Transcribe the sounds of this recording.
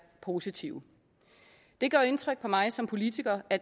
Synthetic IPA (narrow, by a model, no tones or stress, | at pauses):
pʰo̝ːsit͡sʰḭʊ | d̥e̝ɡ̥ɶɐe̝nt͡sʰʁeɡ̥̚pʰɒ̽mɑ̈ɪsɒ̽mpʰo̝lit͡sʰiɡ̥ɐæ̥